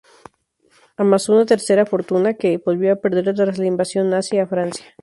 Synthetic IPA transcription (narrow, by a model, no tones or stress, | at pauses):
amasounat̪eɾse̞ɾafo̞ɾt̪unakepoðjoape̞ɾðe̞ɾt̪ɾazlaimbasjo̞nːasjaːfɾansjḁ